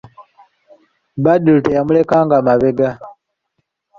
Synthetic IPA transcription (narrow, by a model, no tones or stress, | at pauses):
badulutejamulekaŋɡamaβeɡa